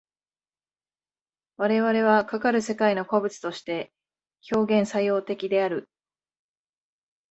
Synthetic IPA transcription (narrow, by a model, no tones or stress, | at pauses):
βaɾe̞βaɾe̞β̞akakaɾɯ̟se̞kaino̞ko̞bɯ̟t͡sɨ̥t̪o̞ɕi̥t̪e̞ | ço̞ːɡẽ̞ɰ̃sajo̞ːt̪e̞kʲid̪e̞aɾɯ̟